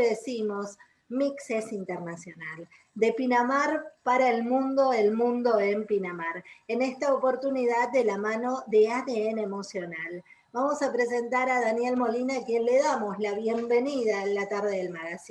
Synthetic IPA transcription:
ðesimo̞s | miksesint̪eɾnasjo̞nal | d̪e̞pinamaɾpaɾaelmũnd̪oelmũnd̪o̞empinamaɾene̞st̪aopo̞ɾt̪uniðad̪̚d̪elamano̞ðe̞aðeenemo̞sjo̞nal | bamo̞sapɾe̞s̬e̞nt̪aɾaðanje̞lmo̞linakje̞nle̞ðamo̞slaβje̞mbe̞niðalat̪aɾð̞eðelmaɣasi

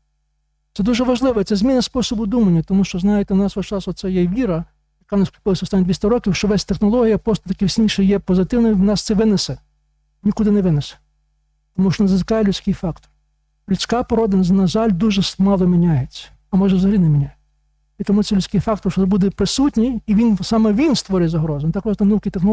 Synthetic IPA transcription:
sɛd̪uʒɛʋɐʒlˠɪʋɛt̪ɛzmʲinɐspɔsɔbʊd̪umɐnʲːɐt̪ɔmuʃt͡ʃɔznɑjet̪ɛwnɑsʋɐt͡ʃɑsɔt̪sɛjɛʋʲiɾɐ | jɐkɑnɐskʲpɔlˠɐsʲɔst̪ɑnʲːid̪ʋʲisʲt̪ʲɐɾɔkʲiwʃt͡ʃɔʋɛsʲt̪exnɔlˠɔɦʲijɐpɾɔst̪ɔt̪ɐkʲɪwsʲnʲiʃɛjɛpɔzɪt̪ɪwnɔiwnɑst̪sɛʋɪnesɛ | nʲikud̪ɪnɛʋɪnesɛ̥ | t̪ɔmuʃt͡ʃɔnɐzɐzɪkɑjɛlʲʉt͡sʲkɪjfɑkt̪ɔ̥r | lʲʉt͡sʲkɑpɔɾɔd̪ɪnznɐʒɑlʲd̪uʒɛsmɑlˠɔmʲinʲajet͡sʲːɐ̥ | ɐmɔʒɛʋzɐɦɐlʲinɛmʲinʲaj | it̪ɔmut̪ɛlʲʊt͡sʲkɪjfɑkt̪ɔrt͡ʃɔɛbud̪ɛpɾɪsutʲnʲiːʋʲinsɑmɛʋʲinst̪ʋɔɾʲʊjɛzɐɦɾɔzɐnt̪ɑkɔʒt̪ɛnɐukʲit̪exnɔ

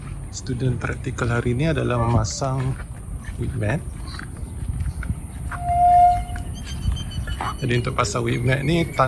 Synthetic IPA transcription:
st̪udɛnt̪ɾak̚t̪ikəlɦaɾiniadalahmmasaŋ | wit̪̚mɛ̃t̪̚ | d͡ʒadiunt̪ʊʔ̚pasaŋwit̪̚mɛt̪̚nit̪a

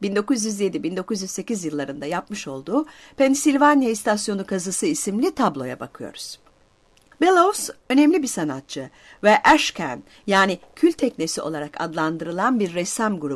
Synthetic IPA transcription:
bind̪o̞kuzjyzje̞d̪ibind̪o̞kuzjyzse̞cizjɯlˠːaɾɯnd̪ajapmɯʃo̞lˠd̪uːpʰɛnsilʲvanjaist̪ʰasjo̞nukʰazɯsɯisimlʲit̪ʰablˠo̞ja̰bakʰɯjo̞̰ɾuz̥ | belˠosø̞nɛmlʲibisanat̪̚t͡ʃʰɯ | vɛʔæʃcʰæ̰n | jaːnicʰylʲt̪ʰɛcnesiʔo̞lˠaɾaka̰d̪lˠand̪ɯɾɯlˠanbiɾːɛsamɡuɾu

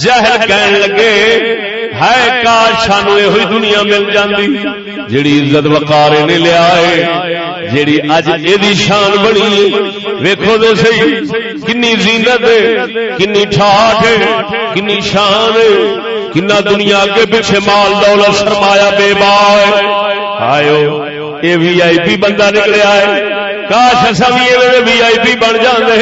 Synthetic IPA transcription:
d͡ʒaːɦɪlkɛːnləɡeː | ɦakaːɾʃʰaːnːeːɦʊiːd̪ʊnɪjãːmɪld͡ʒãːnd̪iː | d͡ʒeːɽiːɪzət̪ʋəkaːɾeːneːlɪjaːɦeː | d͡ʒeːɽiːəd͡ʒeːd̪iːʃaːnbəɳiːeː | ʋeːkʰoːd̪eːsəiː | kɪnːiːzɪ̃ːnət̪ɦeːkɪnːiːʈʰaːʈeːkɪnːiːʃaːnɦeː | kɪnːãːd̪ʊnɪjaːkeːbɪt͡ʃʰeːmaːld̪ɔːlət̪səɾmaːjaːɓeːbaːɦeː | a̰ːjoː | eːʋiːaːiːpiːbə̃nd̪aːnɪkleaːɦeː | kaːʃəsãːbiːeːnẽːnẽːʋiːaːiːpiːbəɳd͡ʒãːnd̪eː

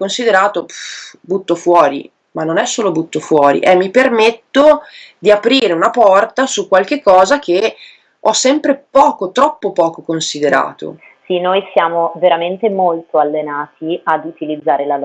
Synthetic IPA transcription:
konsid̪eɾaːt̪obut̪ːofwɔːɾḭ | manːonɛsːoːlobut̪ːofwɔːɾḭʔɛmːipermet̪ːo | d̪iapɾiːɾeunapɔrt̪asukwalk̟ekːɔːzak̟e | ɔsːɛmpɾepɔːkot̪ɾɔpːopɔːkokonsid̪eɾa̰ːt̪o̰ | sinojsjaːmoveɾament̪emolt̪oalːenaːt̪iad̪ut̪ilid̪zːaːɾelal

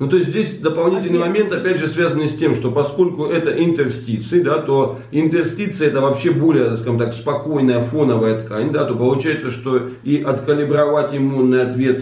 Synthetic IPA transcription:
nut̪o̞ɪsʲt̪ʲzʲdʲesʲd̪əpɐlˠnʲitʲɪlʲnɨɪjmɐmʲent̪ɐpʲædʲʐɨsvʲazənːɨjsʲtʲe̞mʂt̪opɐsko̞lʲkʊʔɛt̪əʔɪnt̪ɨrsʲtʲit̪sɨɪd̪at̪o̞ | ɪnt̪ɨrsʲtʲit̪sɨɛt̪əvɐpɕːe̞bo̞lʲɪjəskaʐɨmt̪akspɐko̞jnəjəfo̞nəvəjət̪kanʲd̪at̪o̞pəlˠʊt͡ɕæjɪt̪səʂt̪o̞ | iʔɐt̪kəlʲɪbɾɐvatʲɪmunːɨjɐt̪vʲe̞t̪

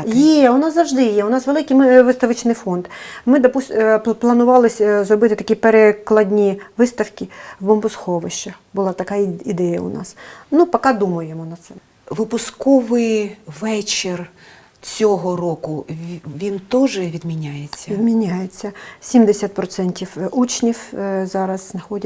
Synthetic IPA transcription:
jɛʊnɑszɐwʒd̪ɪjɛʊnɑsʋelˠɪkɪjmɪʋɪst̪ɐʋɪt͡ʃnɪjfɔnd̪mɪd̪ɔpusʲplˠɐnʊʋɑlˠɪsʲzɾɔbɪt̪ɪt̪ɐkʲipeɾeklˠɐdʲnʲiʋɪst̪ɐwkʲiwbɔmbʊskɔʋɪʃt͡ʃɛ | bʊlˠɑt̪ɐkɑid̪ɛjɐʊ̰nɑ̰snupɐkɑd̪umɐjemɔnɐt̪sɛ | ʋɪpʊskɔʋɪjʋɛt͡ʃɪr | t͡sʲɔɦɔrɔkʊʋʲint̪ɔʒɛʋʲid̪mʲinʲajet͡sʲːɐʋʲid̪mʲinʲajet͡sʲːɐsʲimd̪esʲat̪̚pɾɔt̪sɛnʲtʲiwut͡ʃnʲiwzɑɾɐzznɐxɔdʲɐ

